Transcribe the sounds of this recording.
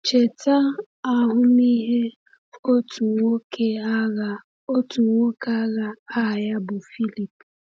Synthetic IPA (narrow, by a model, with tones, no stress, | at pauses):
t͡ʃe˨ta˦ | a˦ɦʊ˦ni˦ɦe˦ | o˦tu˨ŋo˦kʰe˦a˦ɣa˨ | o˦tu˨ŋo˦ka˦ɣa˦a˦˨ja˦bʊ˨fi˦li˨pu˨